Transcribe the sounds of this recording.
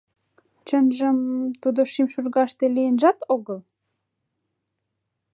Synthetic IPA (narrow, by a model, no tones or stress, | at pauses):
t͡ɕənʒə̆mt̪ud̪oʃimʃurɣɑʃt̪elijənʒɑt̪oɣəl